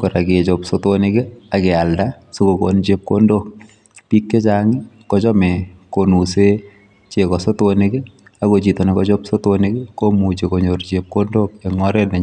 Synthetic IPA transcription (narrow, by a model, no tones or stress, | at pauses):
kɔɾaket͡ʃopsotonɪkɛakɛalda | sokoko̰nt͡ʃep̚kondok | pikːet͡ʃaŋi | kɔt͡ʃɔmɛkonuse | t͡ʃekɔsotonikɛakot͡ʃitonekɔt͡ʃopsotonikɛkomut͡ʃekoɲoɾt͡ʃep̚kondokɛŋɔɾɛtnɛ